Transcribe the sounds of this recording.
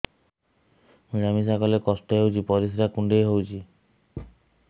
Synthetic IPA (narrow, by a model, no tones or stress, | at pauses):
miɾamis̬akɔlekɔsʈɔɦewt͡ʃʰipɔɾisiɾakuɳɖejɦowt͡ʃʰi